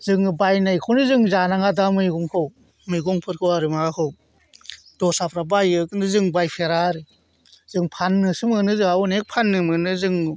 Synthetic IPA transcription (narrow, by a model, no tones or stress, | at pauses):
zɯŋbajnajkʰawnɯzɯŋzanaŋadamɯjɡɔŋkʰɯw | mɯjɡɔŋpʰɯɾkʰɯwaɾɯmaɡakʰɯw | dɔsapʰɾabajɯkɯndɯzɯŋbajpʰeɾaɾɯ | zɯŋpʰanːɯsɯmɯnɯzɯŋaɔnek̚pʰanːɯmɯnɯzɯŋ